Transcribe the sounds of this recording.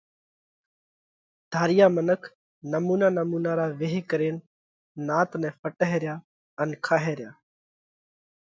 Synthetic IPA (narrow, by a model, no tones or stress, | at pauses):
d̪ʱaːɾɪjaːmənəkʰ | nəmuːnaːnəmuːnaːɾaːʋeɦkəɾeːn | naːt̪nɛ̃ːfʰəʈəɦeːɾɪjaː | ənkʰaːɦeːɾjaː